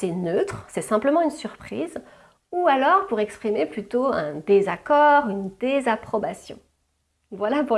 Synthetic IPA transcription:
sɛnøt̪χsɛsɛ̃pləmɑ̃ynsyʁpχiːz | ualɔʁpuʁɛkspχimeplyt̪oɛ̃d̪ezakɔʁynd̪ezapχɔbasjɔ̰̃ | vwalapu

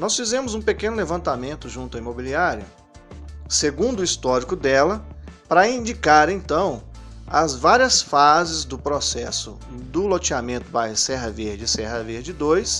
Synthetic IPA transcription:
nɔsfizẽmʊzũpekẽnʊlevɐ̃nt̪amẽnt̪ʊʒũt̪ʊɐimobiliaɾiɐ | seɡũnd̪ʊist̪ɔɾikʊd̪ɛlɐpɾɐĩnd͡ʒikaɾẽnt̪ɐ̃w̃ɐzvaɾiɐsfazɪzd̪ʊpɾosɛsʊ | d̪ʊlot͡ʃiamẽnt̪ʊbajɦɐsɛɦɐveɾd͡ʒɪsɛɦɐveɾd͡ʒɪd̪ojs

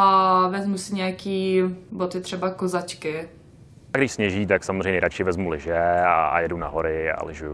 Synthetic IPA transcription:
avɛzmusɪɲɛjakiːbot̪ɪt̪r̝̥ɛbakozat͡ʃkɪ | ɡdɪʃsɲɛʒiːt̪aksamozrɛjɲɛɾat͡ʃɪɪvɛzmulɪʒɛa̰jɛduna̰ɦoɾɪa̰lɪʒuju

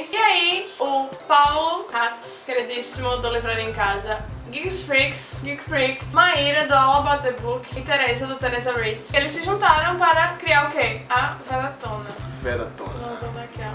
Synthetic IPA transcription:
siaiʊpawlʊhat̪skeɾid͡ʒ̪isimʊd̪ʊlivɾaɾĩẽkazɐɡiɡsfɾiksɡiɡfɾikmaiɾɐd̪ʊawɐbat̪ebukĩt̪eɾɛsɐd̪ʊt̪eɾɛzɐɾejt̪selɪsɪʒũnt̪aɾɐ̃w̃paɾɐkɾiaɾʊkeavɛd̪ɐt̪õnɐvɛ̰d̪a̰t̪õ̰nvɐ̃mzvɐ̃d̪akia

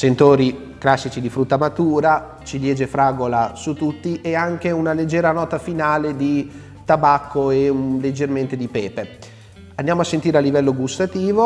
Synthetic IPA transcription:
sent̪oːɾi | klasːit͡ʃid̪ifɾut̪ːamat̪uːɾa | t͡ʃiljɛːd͡ʒefɾaːɡolasut̪ut̪ːiʔeaŋk̟eunaled͡ʒːɛːɾanɔːt̪afinaːled̪i | t̪abakːoeled͡ʒːerment̪ed̪ipɛːpe | and̪jaːmoasːent̪iːɾealːivɛlːoɡust̪at̪iːvo

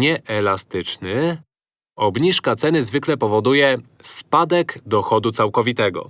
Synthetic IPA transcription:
ɛʔɛlast̪ɘt͡ʂnɘ | ɔbɲiʂkat̪sɛnɘzvɘklɛpɔvɔd̪ujɛ | spad̪ɛɡd̪ɔxɔd̪ut̪sawkɔvʲit̪ɛɡɔ̰

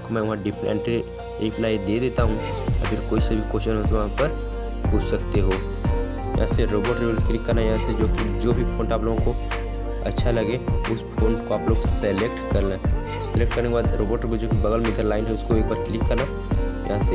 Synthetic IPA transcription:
komɛ̃ːʋɐɦãɖɪpɛ̃ɳʈi | ɪ̃pnaːid̪eːd̪eːt̪aɦũɔ̰pʰɪɾkoːisebʱikoːʃənɦõt̪ʋɦãpɐɾ | puːt͡ʃʰsɐkt̪eɦoː | jɐ̰ɦãseɾoːboːɾʈɾiʋelklɪkːɐɾnajɐɦãsed͡ʒoːkid͡ʒoːbʱipʰõːɳʈaːploːɡõko | ɐ̰tːʃʰalɐɡeʊspʰõːɳʈkoaːploːɡsɛlek̚ʈkɐɾnaɦ | sɪlek̚ʈkɐɾnekebaːd̪ɾoːbəːɾʈɾked͡ʒoːkibɐɣəlmɪt̪ʰəɾlaːɪnɦɛʊskoeːk̚baːɾklɪkːɐɾna | jɐ̰ɦãse

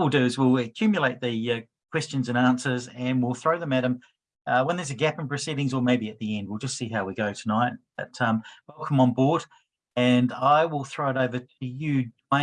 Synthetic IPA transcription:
l̩ˠdʉzwɪlˠɨkʰj̥ʉmjəleɪt̪̚ðɨʌ | kʰw̥ɛst͡ʃɨ̃nzɨ̃næ̃nsə˞zɨ̃nwɪlˠθɹoʊðə̃mɨɾɨ̃m | ʌwə̃nðə˞zɨɡæpə̃npɹ̥ɨsiɾɪ̃ŋzə˞meɪbiɨt̪̚ðiɛ̃nd̚wilˠd͡ʒʌstsiɦaʊwiɡoʊɾʰənaɪt̚b̥ʌtʰʌ̃mwɛlˠkʰə̃mə̃nbɔɹɾ | ɨ̃naɪwɪlˠθɹoʊəɾoʊvə˞ɾʰɨjɨ̃

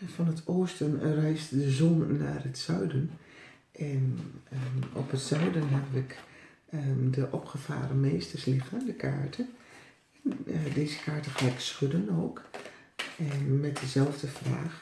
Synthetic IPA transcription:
fɔnətʰoːstənrɛjstdəzɔnːa̰ːrətsœɥdən | ʔɛn | ɔ̰pətsœɥdənɦɛbəʋɪk | dəʔɔpxəfa̰ːɾəmeːstərslɪɣəndəkʰa̰ːɹtʰə | ɛndeːzə̥kʰaːɹtəxaːɪksxødənoːk | ɛnmɛt̚dəzɛlˠvdəfra̰ːx

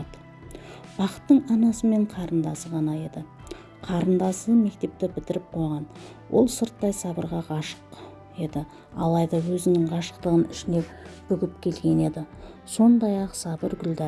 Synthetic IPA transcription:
d̪ | b̥ɑqə̥t̪ːəɴɑnɑsəme̞ɴqʰɑɾənd̪ɑsəʁɑnɑe̞d̪ɪ | qʰɑɾənd̪ɑsəme̞k̚t̪e̞p̚t̪ɪbɪt̪ɪɾɪp̚qʰo̞jʁɑn | wʔo̞̰lˠsəɾt̪ːɑjsɑbəɾʁɑʁɑʃə̥q | e̞d̪ɪ | ɑ̰lˠɑjd̪ɑwɵzɪnɪɴʁɑʃə̥q̚t̪əʁənʏʃɪne̞kb̥ʏɡʲɪp̚kʲʰe̞lɡʲe̞ne̞d̪ɪ | so̞nd̪ɑjɑqsɑbəɾɡʲʏld̪ɑ

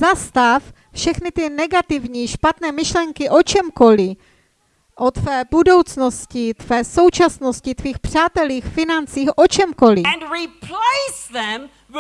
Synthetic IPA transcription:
zast̪af | fʃɛxnɪt̪ɪnɛɡat̪ɪvɲiːʃpat̪nɛːmɪʃlɛŋkɪʔo̞t͡ʃɛmko̞lɪ | ʔot̪fɛːbudo̞wt͡snoscɪt̪vɛːso̞wt͡ʃasnoscɪt̪viːxpr̝̥aːt̪ɛliːxfɪnant͡siːxʔot͡ʃɛmkolɪ̃nɹipʰleɪsðɛ̃m

